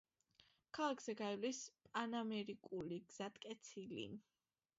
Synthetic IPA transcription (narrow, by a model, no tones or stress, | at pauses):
kʰalˠakʰz̥ɛɡaivlispʼanamɛɾikʼuliɡz̥at̪ʼkʼɛt̪sʰilḭ